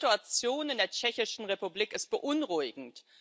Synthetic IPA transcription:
tuat͡sjoːnɪndeːɐt͡ʃɛçɪʃn̩ʁepubliːkɪst̚b̥əʔʊnʁʊɪɡŋ̩t

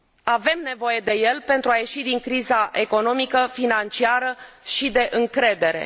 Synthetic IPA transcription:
ave̞mne̞vo̞je̞d̪e̞je̞lpent̪ɾuaje̞ʃid̪iŋkɾizaʔe̞ko̞no̞mikəfinant͡ʃiaɾəʃid̪e̞ʔɨŋkɾe̞d̪e̞ɾe̞̰

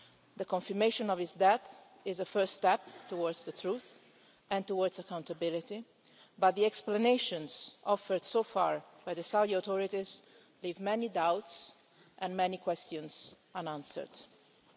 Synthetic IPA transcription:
d̪əkɔ̃ɱfiɹmeʃɔ̃nɔvɪsd̪ɛθ | ɪzəfɜɹstːt̪ɛp̚t̪uwɔɹd̪zd̪ət̪ʰɹuθ | ɛ̃nt̪uwɔɹdzakãw̃nt̪abɪlɪt̪i | bat̪̚d̪ðiɛksplaneʃɔ̃nz̥ʔɔfəɹd̪sofa̰ɹb̥ajðəsawd̪iat̪ɔɹit̪iz | liːvmɛnid̪awt̪s | ʔɛ̃nmɛnikwɛst̪jɔ̃nz | anãnsə̰ɹd̪̥

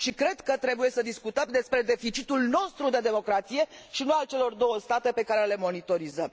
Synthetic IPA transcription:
ʃikɾe̞d̪kət̪ɾe̞buje̞səd̪iskut̪əmd̪e̞spɾe̞d̪e̞fit͡ʃit̪ulno̞st̪ɾud̪ed̪e̞mo̞kɾat̪sije̞ʃinualt͡ʃe̞lo̞rd̪o̞wəst̪at̪e̞pe̞kaɾe̞le̞mo̞nit̪o̞ɾizəm

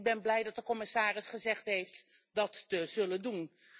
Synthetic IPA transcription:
ɡ̚bɛnblɛjdɑt̚dəkɔmɪsaːrɪsχəzɛχtɦejft | dɑtːəzɵləndun

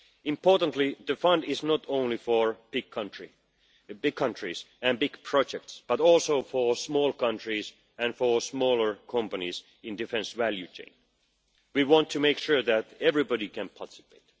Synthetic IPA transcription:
ɪ̃mpʰɔɹtə̃ntliðəfʌ̃ndɪznɔtõʊ̃nlifəɹb̥ɪɡ̚kʰʌ̃ntɹ | bɪɡ̚kʰʌ̃ntɹ̥isɨ̃nbɪɡ̥pʰɹ̥ɑd͡ʒɛk̚tsb̥ʌtɔlˠsoʊfəsmɔːlˠkʌ̃ntɹis | æ̃nfəsmɔːlə˞kʰʌ̃mpənis | ɪ̃ndɨfɛ̃nsʋæljʉt͡ʃʰḛ̃ɪ̃n | wiwɑ̃ntʰːɨmeɪkʃuɹðætɛvɹibɔɾikʰæ̃npʰɑt̪ɪ̥sɪ̥pʰeɪt

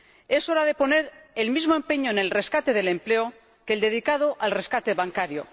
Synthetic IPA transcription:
e̞so̞ɾað̞e̞po̞ne̞ɾelmizmo̞empe̞ɲo̞ene̞lre̞skat̪e̞ðe̞le̞mple̞o | keld̪e̞ð̞ikað̞oʔalre̞skat̪eβaŋkaɾjo̰

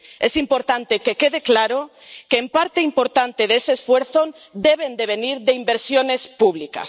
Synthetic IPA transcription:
esimpoɾt̪ant̪ekekeðeklaɾokeːmpaɾt̪eimpoɾt̪ant̪eðesesfweɾθon | d̪eβ̞end̪eβ̞eniɾðeimbeɾsjonespuβ̞lika̰s

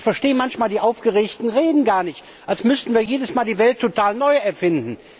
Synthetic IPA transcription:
çfɛɐʃteːəmançmaːldiːʔaʊfɡ̥əʁeːçtn̩ʁeːdn̩ɡaːɐnɪçt | ʔalsmʏstn̩viːɐjeːdəsmaːldiːvɛltʰːotaːlnɔʏɛɐfɪndn̩

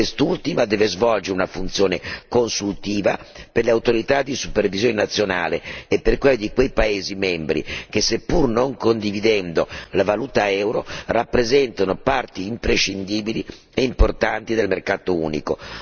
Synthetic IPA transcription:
est̪ult̪imad̪ɛːvezvɔld͡ʒeɾunafunt̪sjoːnekonsult̪iːvaperleawt̪oɾit̪ad̪isu̥pervizjoːnenat̪sːjona̰ːleːpːerkweld̪ikwejpaeːzimɛmbɾḭk̟esːepːurnoŋkond̪ivid̪ɛnd̪olavaluːt̪aɛwɾorapːɾezɛnt̪anopart̪iːmpɾeʃːind̪iːbili | eimport̪ant̪id̪elmerkaːt̪oṵːnḭko

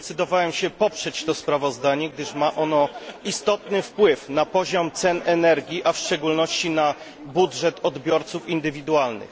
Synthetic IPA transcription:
t̪sɘd̪ɔvawɛmɕɛpɔpʂɛt͡ɕt̪ɔspɾavɔzd̪aɲɛɡ̚d̪ɘʂmaʔɔnɔist̪ɔt̪nɘfpwɘfnapɔʑɔmt̪sɛnɛnɛɾɡʲiʔafʂt͡ʂɛɡulnɔɕt͡ɕina | budʐɛt̪ʰɔd̪bʲjɔɾt̪sufind̪ɘvʲid̪ualnɘ̰x

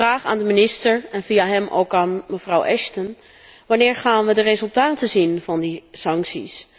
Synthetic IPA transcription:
raːχa̰ːndəmɪnɪstəɹɛnviaɦɛmʔo̰wkaːnməvrʌwʔɛʃtən | ʋɑnɪːɹχaːnʋədərezɵlˠtaːtəzinvɑndisɑŋksḭs

